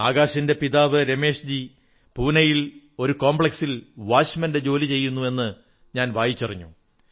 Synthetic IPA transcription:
aːɡaːɕɐnde̞piðaːʋɨɾe̞me̞ːʂd͡ʑi | puːnɐjil | o̞ɾuko̞ːmbɭeksilʋaːɕmɐnde̞d͡ʑo̞ːlit͡ɕe̞jːunːue̞nːɨ | ɲaːnʋaːjit͡ɕːɐriɲːṵ

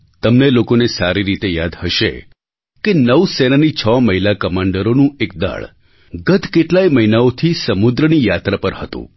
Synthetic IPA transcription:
t̪əmnelokonesaɾiɾit̪ejad̪həʃḛ | kenəʋsenanit͡ʃʰɔməɦilakəmaɳɖəɾonũek̚d̪a̰ɭ | ɡət̪ʰkeʈlaiməɦinaot̪ʰisəmud̪ɾənijat̪ɾapəɾhət̪ṵ̃

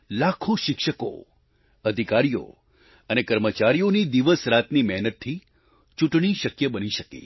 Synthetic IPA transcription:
lakʰoʃɪkʃəko̰ | əd̪ʱikaɾijo̰ | ənekəɾmət͡ʃaɾijonid̪iʋəsɾat̪nimɛɦnət̪ʰːi | t͡ʃuʈɳ̃iʃəkjəbəniʃəkḛ

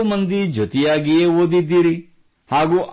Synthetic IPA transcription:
mɐnd̪id͡ʒʱot̪ɛjaːɡijeːoːd̪id̪ːiːɾi | haːɡuːʔ

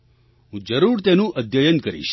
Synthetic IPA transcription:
ɦũd͡ʒəɾuɾt̪enũʔəd̪ʱjəjənkəɾḭʃ

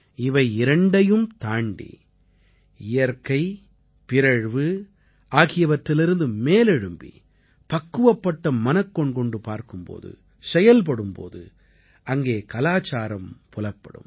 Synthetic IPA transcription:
ɪʋɐɪɪɾɐɳɖɐjɯmt̪aːɳɖḭ | ɪjɐɾkɐɪ | pɪɾɐɻʋɯ | aːɣɪjɐʋɐʈɾɪlɪɾɯnd̪ɯmeːlɛɻɯmbḭ | pɐkːɯʋɐpːɐʈːɐmɐnɐkːɔɳkɔɳɖɯpaːɾkɯmpo̰ːðɯ̰ | sɛjɐlp̬ɐɽɯmpo̰ːðɯ̰ | ɐŋɡeːkɐlaːt͡ʃaːɾɐmpʊlɐpːɐɽɯ̰m

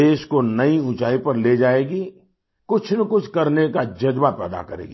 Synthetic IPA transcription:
eːʃkonɐiʊ̃t͡ʃaːipɐɾled͡ʒaːeːɡi | kʊt͡ʃʰnəkʊt͡ʃʰkɐɾnekad͡ʒɐd͡ʒbapɛ̰ːd̪a̰kɐɾḛːɡiː

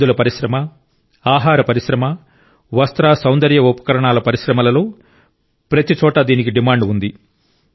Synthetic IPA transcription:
ulɐpɐɾiʃɾɐmɐ | aːɦaːɾɐpɐɾiʃɾɐmɐ | ʋɐst̪ɾaːsɐwnd̪ɐɾjɐupɐ̥kɐɾɐɳaːlɐpɐɾiʃɾɐmɐlɐloː | pɾɐt̪it͡ʃɔːʈɐd̪iːnikiɖimaːɳɖund̪i

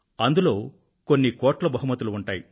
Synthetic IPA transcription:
ɐnd̪uloː | ko̞nːikoːʈlɐbɐɦumɐt̪ːuluːɳʈaːji

